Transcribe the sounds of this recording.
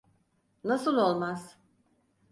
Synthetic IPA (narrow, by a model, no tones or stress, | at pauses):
nasɯlˠo̞lˠmaz̥